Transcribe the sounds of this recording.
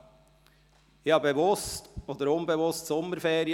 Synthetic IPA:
ihɑbeʋʊstoːd̪əɾʊnbəʋʊstsɔmːəɾfeːɾɪ

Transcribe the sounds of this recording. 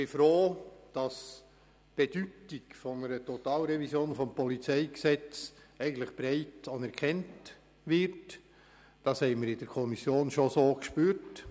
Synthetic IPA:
b̥ɪfɾoːd̥ɑs | b̥ed̥yːtikfɔnəɾətʰotɑːlɾɛvisjoːnfɔmpʰɔlit͡sɛɪksɛt͡s | ɛɪɡən̩t̪lɪχb̥ɾɛɪtɑnɛɾkʰɛnt | vɪɾt | d̥ɑshɛɪmɪɾɪdɛɾkʰɔmisjoːnʃosoːkʃpyːɾt

